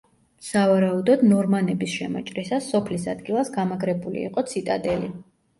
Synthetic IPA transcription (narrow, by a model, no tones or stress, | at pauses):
savaɾaud̪ɔd̪nɔɾmanɛbisʃɛmɔ̰t͡ʃʼɾisasːɔpʰlisad̪ɡilˠasɡamaɡɾɛbulḭḭqʼɔt̪sʰit̪ʼad̪ɛli